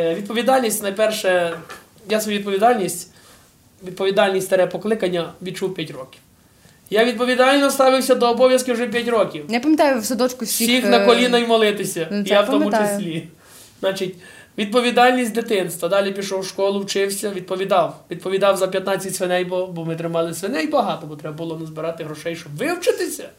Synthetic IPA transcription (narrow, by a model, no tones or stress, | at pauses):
ʋʲid̪pɔʋʲid̪ɑlʲnʲisʲtʲnɐjpɛrʃɛ | jasʋɔjuʋid̪p̬ɔʋʲid̪ɑlʲnʲisʲtʲ | ʋʲid̪̚pɔʋʲid̪ɑlʲnʲisʲt̪ʲɐɾɛpɔklˠɪkɐnʲːɐʋʲid̪t͡ʃuwpʲjatʲɾɔkʲiw | jaʋʲid̪̚pɔʋʲid̪ɑlʲnɔst̪ɑʋɪwsʲɐd̪ɔːbɔʋjɐskɪwuʒɛp̬ʲjatʲɾɔkʲiwnɛpɐmʲɪt̪ɑjʊsɛd̪ɔt͡ʃkʊssʲiixnɐkɔlʲinɐjmɔlˠɪt̪ɪsʲɐjawt̪ɔmʊt͡ʃɪsʲlʲi | znɑt͡ʃitʲ | ʋʲid̪̚pɔʋʲid̪ɑlʲnʲisʲtʲd̪et̪ɪnst̪ʋɐd̪ɑlʲipʲiʃɔwʃkɔlˠʊwt͡ʃɪwsʲɐʋʲid̪̚pɔʋʲid̪ɑwʋʲid̪̚pɔʋʲid̪ɑwzɐpʲjɐt̪nɑt͡sʲːɐtʲsʋɪnɛjbɔbɔmɪt̪ɾɪmɑlˠɪsʋɪnɛjbɐɦɑt̪ɔbɔt̪ɾɛbɐbʊlˠɔnɐzbɪɾɑt̪ɪɦɾɔʃɛjʃt͡ʃɔbʋɪwt͡ʃɪt̪ɪsʲɐ